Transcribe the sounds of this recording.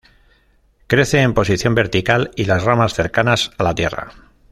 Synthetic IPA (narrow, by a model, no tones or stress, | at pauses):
kɾe̞θe̞ːmpo̞siθjo̞mbe̞ɾt̪ikalilazramasθe̞ɾkanasalat̪je̞̰ra̰